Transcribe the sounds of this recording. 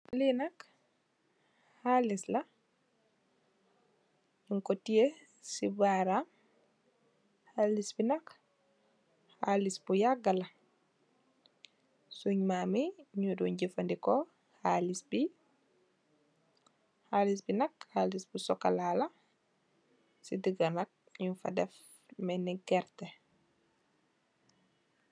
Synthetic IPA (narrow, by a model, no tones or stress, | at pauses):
linak | halisla | iŋkɔtije | sibaɾa | halisbinak | halisbujaɡala | suɲmamiɲuduɲɟifandikɔ | halisbi | halis̬binɐkhalisbusɔkːalalɐ | sidiɡanɐk̚ɲufa̰dɛf | mɛniɡɛɾtɛ